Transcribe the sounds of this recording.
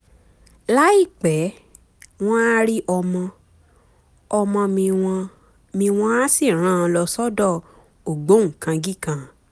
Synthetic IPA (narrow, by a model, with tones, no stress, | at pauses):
la˦i˦˨k͡pɛ˨˦ | w̃ɔ̃˦a˦ɾi˦ʔɔ˧mɔ̃˧ | ɔ˧mɔ̃˧mĩ˧wɔ̃˧ | mĩ˧w̃ɔ̃˧a˦si˦˨ɾ̃ã˦˨˧lɔ˧sɔ˦dɔ˦˨ | o˨ɡ͡bo˨˦ŋ̩˨kã˧ɡi˦˨kã˧